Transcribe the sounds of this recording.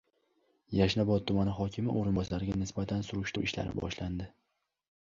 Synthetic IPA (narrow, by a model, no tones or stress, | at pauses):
jaʃnabɒt̪ʰːʊmanɪχɒkʲʰɪmɪ̰ʔoɾɪnbɒsaaɾɪɡʲanɪsbat̪ʰansʊɾʊʃt̪ɾuʔɪʃla̰ɾɪ̰bɒ̰ʃland̪ɪ